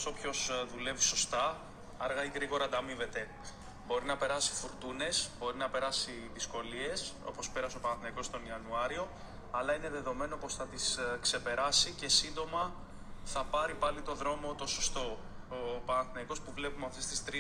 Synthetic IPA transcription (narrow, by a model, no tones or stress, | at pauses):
sopço̞sðule̞viso̞st̪ɐ | ɐɾɣɐiɣɾiɣo̞ɾɐd̪ɐmive̞t̪e̞ | bo̞ɾinɐpe̞ɾɐsi̥fuɾt̪une̞sbo̞ɾinɐpe̞ɾɐsiðisko̞lie̞so̞̰po̞speɾɐso̞pɐnɐθinɐiko̞st̪o̞niɐnuɐɾio̞ | ɐlɐine̞ðe̞ðo̞me̞no̞po̞sθɐt̪iskse̞pe̞ɾɐsice̞sind̪o̞mɐ | θɐpɐɾipɐlit̪o̞ðɾo̞mo̞t̪o̞sost̪o̞ | opɐnɐθinɐko̞spuvle̞pumeɐft̪est̪ist̪ɾi